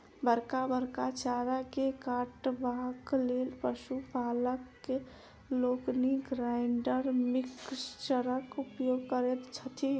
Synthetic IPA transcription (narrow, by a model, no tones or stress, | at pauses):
bəɾkabəɾkat͡ʃaɾakekaʈbʱãklelpəsupaləkːe | lokniɡɾajɪɳɖəɾmikst͡ʃəɾəkupjoɡkəɾɛt̪t͡ʃʰət̪ʰi